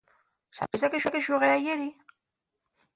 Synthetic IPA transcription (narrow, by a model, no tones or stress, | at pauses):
sa̰pisakeʃuakeʃuɣeajeɾi